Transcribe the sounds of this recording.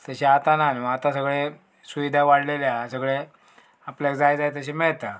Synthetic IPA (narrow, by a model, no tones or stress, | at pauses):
t̪əɕiat̪ananiʋaat̪ãsəɡɭe | suʋid̪ʱaʋaɽleljasəɡɭe | aplakd͡zajd͡zajt̪əɕemeɭt̪a